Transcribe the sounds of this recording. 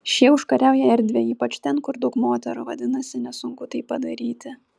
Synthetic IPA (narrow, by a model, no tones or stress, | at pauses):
ʃʲiɛʊʃkɐɾʲæʊjɛɛɾʲd̪ʲʋʲeːiːpɐt͡ʃt̪ʲɛnkʊɾd̪ɐʊkmoːt̪ʲɛɾʊʋɐd̪ʲɪnɐsʲɪnʲɛsʊŋkʊt̪ɐɪppɐd̪ɐɾʲiːt̪ʲɪ